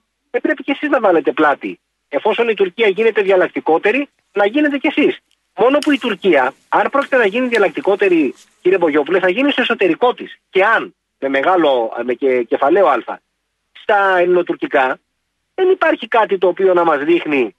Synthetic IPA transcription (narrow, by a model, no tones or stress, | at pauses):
epɾe̞pice̞siznɐvɐle̞t̪e̞plɐt̪ḭ | e̞fo̞so̞nit̪uɾciɐʝine̞t̪e̞ðiɐlɐk̚t̪iko̞t̪e̞ɾi | nɐʝine̞t̪̬e̞ce̞sis | mo̞no̞puit̪uɾciɐ | ɐnpɾo̞cit̪e̞nɐʝiniðiɐlɐk̚t̪iko̞t̪e̞ɾi | ciɾiebo̞ʝo̞p̬ule̞θɐʝinist̪oe̞so̞t̪e̞ɾiko̞t̪isce̞ɐn | me̞me̞ɣɐlo̞mecece̞fɐle̞o̞ɐlfɐ̰ | st̪ɐelno̞t̪uɾcikɐ | ðe̞nipɐɾçikɐt̪̬it̪o̞ːpio̞nɐmɐzðixni